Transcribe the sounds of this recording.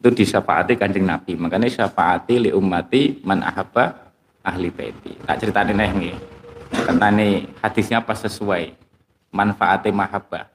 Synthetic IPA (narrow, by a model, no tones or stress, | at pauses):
t̪ud̥iʃafa̰ʔa̰t̪ikaɲd͡ʒɪŋna̰bimakaniʃafaʔat̪iliʔumːat̪imanʔa̰ɦab̥a | ʔahlipḛt̪ḭt̪a̰ʔt͡ʃəɾit̪aninəɦŋɡikananihad̪̥isɲapasəsuaj | manfaʔat̪imaɦab̥a̰